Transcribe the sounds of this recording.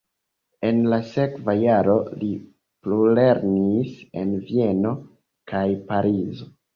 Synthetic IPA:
e̞nlase̞kvajaɾo̞li | plule̞ɾnise̞̰nvie̞no̞ | kajpaɾizo

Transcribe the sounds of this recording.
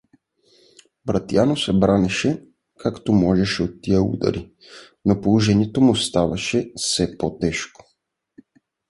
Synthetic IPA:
bɾat̪janɔsɛbɾanɛʃɛ | kʰakt̪umɔʒɛʃɛɔtt̪ːiɛṵd̪a̰ɾi | nopouʒɛɲɛt̪omust̪aʋaʃɛsɛpot̪ɛʃko̥

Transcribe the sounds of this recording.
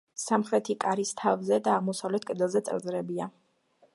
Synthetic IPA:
samχɾɛt̪ʰikʼaɾist̪ʰavzɛd̪aːʁmɔsavlɛt̪̚ʰkʼd̪ɛlˠzɛt̪sʼɛ̰ɾd̪zɾɛbia

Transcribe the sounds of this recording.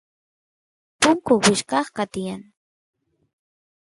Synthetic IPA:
pʊŋkʊwɪʃkɑχkat̪ɪjaŋ

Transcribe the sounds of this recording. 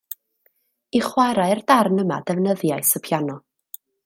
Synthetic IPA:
iχwaɾaɨrdarnəma̰dɛvnəðjaɨsəpʰjanɔ

